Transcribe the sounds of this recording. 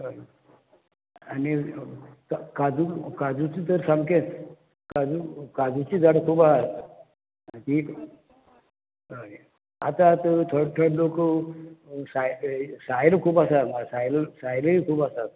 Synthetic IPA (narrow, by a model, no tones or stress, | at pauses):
ani | kakad͡zukad͡zut͡ɕit̪əɾsamket̪ | kad͡zukad͡zut͡ɕid͡zaɽəkʰupa | t̪iːk | a̰t̪at̪t̪ʰəɽʈ̪ʰəɽlok | sajsajləkʰuːpasamasajləsajləikʰuːpasa